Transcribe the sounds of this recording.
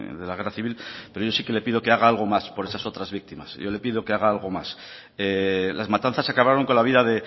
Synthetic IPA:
ðe̞laɣ̞eraθiβilpeɾo̞ʝo̞sike̞le̞pið̞o̞ke̞aɣ̞aalɣ̞o̞maspo̞ɾe̞saso̞t̪ɾazβik̚t̪ima̰sʝo̞le̞pið̞o̞ke̞aɣ̞aalɣ̞o̞mas | elazmat̪an̟θasakaβɾaɾo̞ŋko̞nlaβiðaðe̞

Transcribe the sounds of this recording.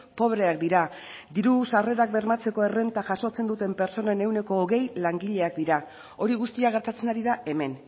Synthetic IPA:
po̞βɾe̞ak̚d̪iɾa | d̪iɾusare̞ɾak̚be̞ɾmat͡se̞ko̞e̞re̞nt̪aʝaso̞t͡se̞nd̪ut̪e̞mpe̞ɾt͡so̞nene̞wne̞ko̞ːɣe̞jlaŋɡiʎe̞akd̪iɾa | o̞ɾiɣust̪iaɣ̞e̞ɾt̪at͡se̞naɾiðae̞me̞n

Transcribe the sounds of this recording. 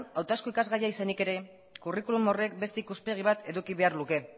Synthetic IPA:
awt̪askoikazɣajaisanike̞ɾe̞ | kurikulumo̞re̞k̚be̞st̪eikuspe̞ɣ̞iβ̞at̪e̞ðukiβe̞aɾluke̞

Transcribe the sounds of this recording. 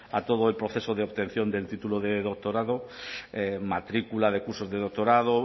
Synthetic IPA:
at̪o̞ð̞oelpɾoθe̞soðeoβt̪e̞n̟θjo̞nd̪e̞lt̪it̪uloðeðok̚t̪oɾaðoemat̪ɾikulað̞e̞kuɾsozðeðok̚t̪oɾaðo

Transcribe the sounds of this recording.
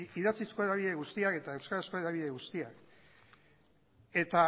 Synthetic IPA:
iðat͡siskoeɾaβ̞iðe̞ɣust̪iake̞t̪ae̞wskaɾaskoeɾaβiðe̞ɣust̪iak | e̞t̪a

